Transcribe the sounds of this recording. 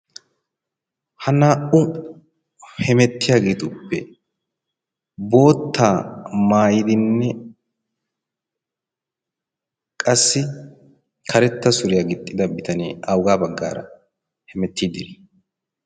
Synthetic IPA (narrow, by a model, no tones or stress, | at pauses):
hɐnaːʔʊ | hɛmɛt̪ːɪjaːɡeːt̪ʊpːɛ | bo̞ːt̪ʰːaːmaːjɪd̪ɪnːɛ | kʼɐsːɪ | kʰɐɾɛt̪ːɐsʊɾɪjaːɡɪt̪ʼːɪd̪ɐbɪt̪ɐnḛːɐwʊɡaːbɐɡːa̰ːɾɐ̰ | hɛmɛt̪ʰːiːd̪ɪl